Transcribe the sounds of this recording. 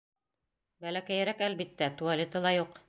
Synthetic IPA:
bælækæjæɾækælbit̪ːæt̪ualʲet̪ɤ̆lˠɑjuq

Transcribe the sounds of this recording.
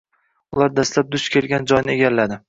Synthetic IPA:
ʊlaɾd̪aslap̚d̪ʊʃkʲʰe̞lɡʲand͡ʒɒjnɪeɡʲalːad̪ɪ

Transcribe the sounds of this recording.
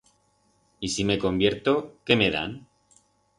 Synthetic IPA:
isime̞ko̞mbje̞ɾt̪o̞ke̞me̞ða̰n

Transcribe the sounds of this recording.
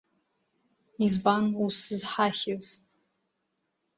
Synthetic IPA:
izbanusɨzħaχʲɪz

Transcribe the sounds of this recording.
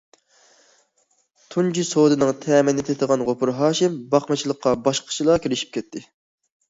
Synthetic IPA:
t̪ʰund͡ʒisod̪ɨnɨŋt̪ʰɛːmɪnnɪt̪ʰet̪əʁɑnʁopʰʊɾɦɑːʃɪmbɑχmɨt͡ʃʰilˠəqːɑbɑʃqʰə̥t͡ʃʰilˠɑkʲʰiɾɪʃi̥p̚kʲɛt̪ʰːɪ

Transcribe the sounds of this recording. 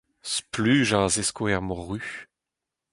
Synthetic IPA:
splyːʒazeskoɛʁmɔʁy

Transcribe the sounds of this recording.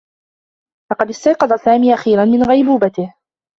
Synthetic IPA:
lɑqɑd̪ɪst̪ɑjqɑd̪ˤɑsaːmiːʔaxiːɾanmɪnɣajbuːbat̪ɪh

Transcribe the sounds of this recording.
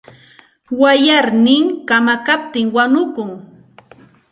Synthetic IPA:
wajaɾnɪŋkamakap̚t̪ɪŋwanʊkʊŋ

